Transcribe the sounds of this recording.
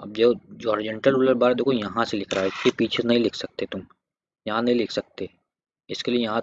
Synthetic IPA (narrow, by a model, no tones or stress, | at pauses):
ɐb̚d͡ʒoːd͡ʒɔːɾɪd͡ʒə̃ɳʈəluləɾbaːɾd̪okojɐɦãselɪkʰɾaːɦekepiːt͡ʃʰesnɐɦĩlɪkʰsɐk̚t̪et̪ʊm | jɐɦãnɐɦĩlɪkʰsɐk̚t̪e | ɪskeliejɐɦã